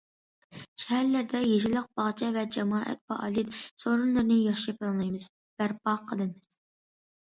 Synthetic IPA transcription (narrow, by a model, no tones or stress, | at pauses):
ʃɛhæɾlæɾd̪ɛjeʒɪlˠəq̚bɑʁt͡ʃʰɛvɛd͡ʒɛmɑːʔɛ̰t̪̚fɑ̰ʔɑ̰ːlˠit̪soɾunlˠɨɾnɨjɑʃiplˠɑnlˠɑjmɨz̥ | b̥æɾpɑqʰːəlˠɨmɨz̥